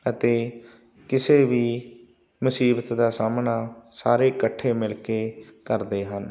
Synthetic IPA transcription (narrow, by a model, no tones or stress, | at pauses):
ət̪eː | kɪseːʋiː | mʊsiːbət̪d̪aːsaːmnaːsaːɾeːkəʈʰːeːmɪlkeːkəɾd̪eːɦən